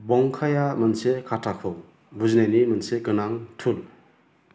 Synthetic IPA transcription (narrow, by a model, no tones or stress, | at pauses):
bɔŋkʰajamɯnsekʰatʰakʰɯw | buznajnimɯnsekɯnaŋtʰul